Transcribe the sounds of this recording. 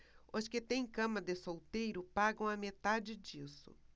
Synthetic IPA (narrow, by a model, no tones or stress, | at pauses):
oskɪt̪ẽj̃kɐ̃mɐd̪ɪsowt̪ejɾʊpaɡɐ̃w̃ɐmet̪ad͡ʒɪd͡ʒisʊ̰